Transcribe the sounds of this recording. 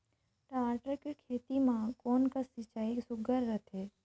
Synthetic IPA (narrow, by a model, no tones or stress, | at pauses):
ʈaːʈəɾkekʰeːt̪imãkoːnkasɪt͡ʃaːisʊɡəɾːət̪ʰeː